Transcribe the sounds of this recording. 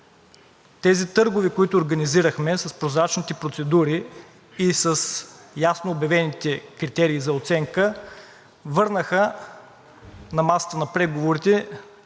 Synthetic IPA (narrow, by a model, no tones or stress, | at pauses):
t̪ɛzit̪ɤɾɡʊvikoit̪ʊːɾɡəniziɾəxmɛsəspɾozɾat͡ʃnit̪ɛpɾot̪sɛd̪uɾiː | səsjasnoːbjɐvɛnit̪ɛkɾit̪ɛɾiːzɐot̪sɛŋkə | vɤɾnəxə | nɐmasə̥t̪ənɐpɾɛɡovoɾit̪ɛ